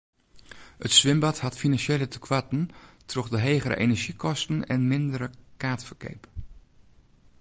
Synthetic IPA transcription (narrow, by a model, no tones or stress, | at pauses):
ətsʋɪmbɑthɑtfinɑnʃelətʰə̥kʰʋɑtən̩trɔχdəɦeːχəɾə̰ʔenəɹʒikʰɔstənɛ̰nmɪndəɾəkaːtfəɹkḛjp